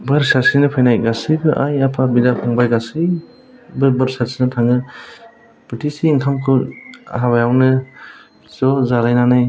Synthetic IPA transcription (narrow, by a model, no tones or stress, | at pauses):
bɯɾsasinɯpʰajnajɡasibɯʔajapʰabidapʰaŋbajɡasi | bɯbɯɾsaɾsinɯtʰaŋɯ | b̥ɯtʰisiːŋkʰamkʰɯa̰ɦabajawnɯ | zɔzaɾajnanaj